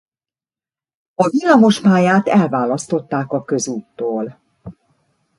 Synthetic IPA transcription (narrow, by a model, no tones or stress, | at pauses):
ɒvilːamo̞ʃmaːjaːt̪ɛlvaːlɒst̪o̞t̪ːaːkɒkø̞zuːt̪ːoːl